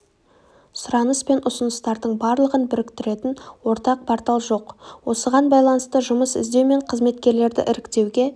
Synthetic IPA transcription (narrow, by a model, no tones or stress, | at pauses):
sʊɾɑnəspe̞nʔʊsʊnəst̪ɑɾd̪əɴbɑɾlˠəʁənbɪɾɪkt̪ɪɾe̞t̪ɪnwo̞ɾt̪ɑq̚pʰɑɾt̪ɑlˠʒo̞qwo̞səʁɑnbɑjlˠɑnəst̪əʒʊməsɪ̰zd̪e̞wme̞ɴqʰəzme̞t̪̚kʲe̞ɾle̞ɾd̪ɪ̰ʔɪɾɪkt̪e̞wɡʲe̞